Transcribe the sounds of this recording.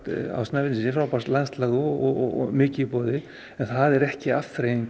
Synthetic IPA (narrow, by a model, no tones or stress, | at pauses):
t̪a̰wstnavɪt̪ɪsɪfɾawpast̪lanst̪laɣʏɔɔ̰ɣ̰mɪːcɪpɔːðɪ | ɛnθaðɛɾɛhcɪafɾejiŋk